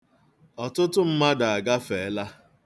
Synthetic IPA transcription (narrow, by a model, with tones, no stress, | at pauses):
ɔ˨tʊ˦tʊ˦m̩˦ma˦da˨a˨ɡa˦fe˨˦la˦